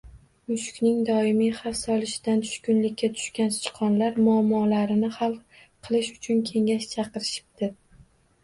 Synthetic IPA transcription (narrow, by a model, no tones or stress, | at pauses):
mʊʃkʲnɪŋd̪ɒɪmijχɑfsɒlˠɪʃɪ̥d̪ant̪ʰʊ̥ʃkʲʊnlɪkʲːat̪ʰʊ̥ʃkʲanst͡ʃʰɨ̥qʰɒnlaɾmʊamːɒlaɾɪnɪχɑlˠ | qʰɨlˠɪʃʊt͡ʃʰʊnkʲʰe̞ŋʲaʃt͡ʃʰɑqɨɾɪʃɪ̥p̚d̪ɪ